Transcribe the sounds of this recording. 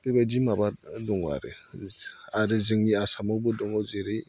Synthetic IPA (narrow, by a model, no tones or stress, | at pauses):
bebad͡ʒimabadɔŋwa̰ɾɯ | aɾɯzɯŋniasamawbɯdɔŋɔzeɾɯj